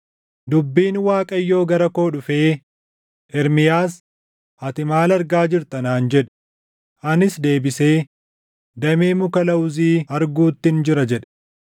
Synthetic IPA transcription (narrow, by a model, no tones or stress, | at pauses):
d̪ʊbːiːnwaːkʼɐjːo̞ːɡɐɾɐko̞ːᶑʊfe̞ː | ʔɛɾmɪjaːs | ɐt̪ɪmaːlɐɾɡaːd͡ʒɪɾt̪ɐnaːnd͡ʒɛᶑ | ʔɐnɪsd̪e̞ːbɪseː | d̪ɐmeːmʊkɐlɐwʊziːɐɾɡuːt̪ːɪnd͡ʒɪɾɐd͡ʒɛᶑɐ̥